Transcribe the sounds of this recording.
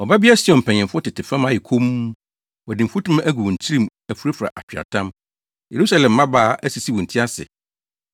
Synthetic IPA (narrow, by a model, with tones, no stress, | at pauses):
ɔ˨ba˦bɪ˦a˦si˦˨ɔ̃˨m̩˨pʰɛ̃˨ɲ˨ɪ̃˨fʊ˦tɪ˨tʰɪ˨fã˦mã˦jɪ˨kʰo˦m˦ | ɔ˨dɪ˨m̩˨fu˦tʰũ˦m˦æ˦ɡu˨wɔ̃˨n̩˨t͡ɕʰi˦ɾĩ˨m | æ˨fu˨ɾe˦fa̰˨ʔa˨t͡ɕᶣa̰˨tʰã˦m | je˨ɾu˦sa˦lɛ̃˨mːã˦baː˨ʔæ˦si˨si˦wɔ̃˨n̩˨tʰi˦a˦sɪ̰˨